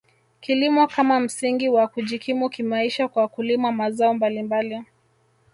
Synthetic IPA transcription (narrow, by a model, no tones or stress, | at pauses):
kilimɔkamam̩siŋɡiwakuʄikimukimaiʃakwakulimamazaɔmbalimbali